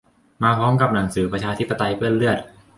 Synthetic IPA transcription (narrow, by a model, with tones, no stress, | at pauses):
maː˧pʰɔː˦˥mka˨˩p̚na˩˦ŋsɯː˩˦pɾa˧t͡ɕʰaː˧t̪ʰi˦˥pːa˧t̪a˧jpɯ˥˩ənlɯ˥˩ət̪̚